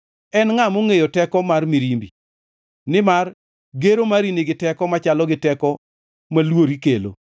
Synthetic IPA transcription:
ɛnŋamoŋejotɛkɔmarmiɾimbi | nɪmar | ɡeɾomaɾinɪɡɪtɛkɔmat͡ʃalɔɡɪtɛkɔ | malwoɾikelo̰

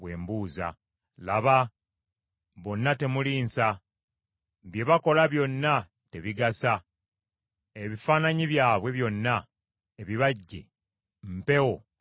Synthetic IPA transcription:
βwe̞ːmbuːza̰ | laβa | βo̞nːate̞muliːnsa | βje̞βako̞laβjo̞nːa | te̞βiɡasa | eβifaːnaɲiβjaːβwe̞βjo̞nːa | eβiβaɟːe̞̰ | m̩pe̞wo̞

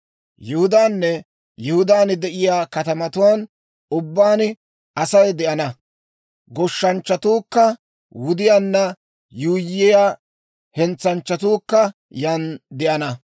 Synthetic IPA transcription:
jɪhʊd̪aːnːɛ | jɪhʊd̪aːnd̪ɛʔɪjaːkɐt̪ɐmɐt̪ʊwaːn | ʊbːaːn | ʔɐsɐjd̪ɛʔɐnɐ | ɡɔʃːɐnt͡ʃːɐt̪uːkːɐ | wʊd̪ɪjaːnːɐ | juːjːɪjaː | hɛnt͡sːɐnt͡ʃːɐt̪uːkːɐ | jɐnd̪ɛʔɐnɐ

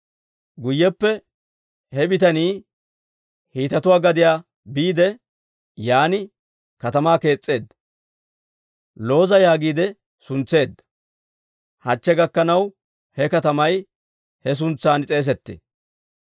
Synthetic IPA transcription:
ɡʊjːɛpːɛ | hɛbɪt̪ɐniː | hiːt̪ɐt̪ʊwaːɡɐd̪ɪjaː | biːd̪ɛ | jaːnɪ | kɐt̪ɐmaːke̞ːt͡sʼːe̞ːd̪ːɐ̥ | lo̞ːzɐjaːɡiːd̪ɛ | sʊnt͡sːe̞ːd̪ːɐ̥ | hɐt͡ʃːɛɡɐkːɐnɐw | hɛkɐt̪ɐmɐj | hɛs̬ʊnt͡sːaːnt͡sʼe̞ːs̬ɛt̪ːḛː

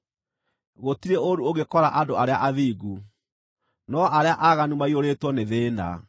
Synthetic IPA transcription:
ɣotiɾeoɾuoɣekɔɾaʔadoaɾea̰ʔaðiːɡu | nɔʔaɾeaʔaɣanumaioɾetwɔneðeːna̰

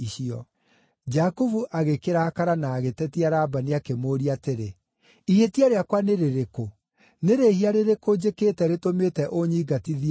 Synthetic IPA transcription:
iɕiɔ | d͡ʒakuvuʔaɣekeɾakaɾanaːɣetɛtiaɾaːbaniakemoːɾiateɾe | ihetiaɾeakwaneɾeɾeko | neɾehiaɾeɾekod͡ʑeketɛɾetometɛʔoɲiːɡatiði

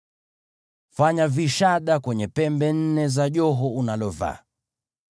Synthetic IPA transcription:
faɲaviʃaɗakwɛɲɛpɛmbɛn̩nɛzaʄɔɦɔunalɔva̰

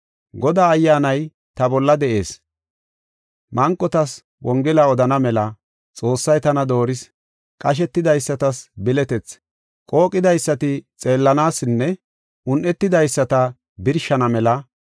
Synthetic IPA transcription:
ɡɔd̪aːɐjːaːnɐj | t̪ɐbɔlːɐd̪ɛʔe̞ːs | mʔɐŋkʼːɔt̪ɐs | wʔɔŋɡɛlɐɔd̪ɐnɐmɛlɐ | t͡sʼo̞ːsːɐjt̪ɐnɐd̪o̞ːɾɪs | kʼɐʃ̬ɛt̪ːɪd̪ɐjsːɐt̪ɐsbɪlɛt̪ɛt͡s | kʼo̞ːkʼːɪd̪ɐjsːɐt̪ɪt͡sʼe̞ːlːɐnaːsɪnːɛ | ʊnʔɛt̪ːɪd̪ɐjsːɐt̪ɐ | bɪɾʃɐnɐmɛlɐ

